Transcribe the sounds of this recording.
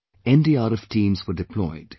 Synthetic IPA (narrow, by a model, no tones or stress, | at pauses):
ɛ̃ndiːaːɾɛfʈʰĩːmzwəɖɪpʰlɔ̰ɪd̥